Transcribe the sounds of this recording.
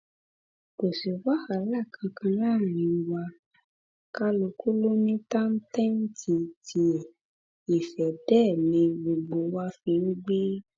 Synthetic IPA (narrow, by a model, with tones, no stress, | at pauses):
ko˨se˨wa˦ha˨˦la˦˨kʰã˧kʰã˧laː˦˨nĩ˨˦˧wa˧ | ka˦lo˧ku˦lo˦nĩ˦ta˦n̩˦tɛ˦n̩˦tʰi˧tʰi˧˨ | i˨fɛ˨dɛ˦˨nĩ˧ɡ͡bo˨ɡ͡bo˧˦wa˦fĩ˧n̩˦ɡ͡be˦